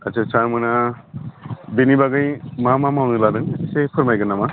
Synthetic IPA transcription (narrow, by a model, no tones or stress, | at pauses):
ɐsʰesaɾmɯna | benibaɡɯjmamamaawnɯladɯŋsisepʰɯɾmajɡɯnama